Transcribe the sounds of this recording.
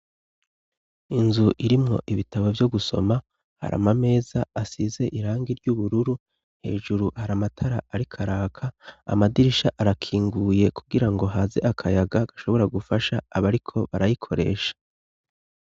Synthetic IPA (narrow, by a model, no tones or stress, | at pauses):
inzuʔiɾimŋo̞̰ʔiβitʰaβo̞vjo̞ɡuso̞̰ma | ha̰ɾa̰mame̞ːzaːsize̞ʔiɾaːŋɡiɾɟuβuɾuɾu̥ | he̞̰ːʒuɾuhaɾamatʰaɾaaɾikʰaɾaːkʰaa̰madiɾiʃaʔaɾakʰiːŋɡuje̞kuɡiɾaŋɡo̞ɦaːze̞̰akʰajaɡaɡ̥ḁʃo̞βo̞ɾaɡufaʃaːβaɾikʰo̞βaɾajikʰo̞ɾe̞̰ːʃḁ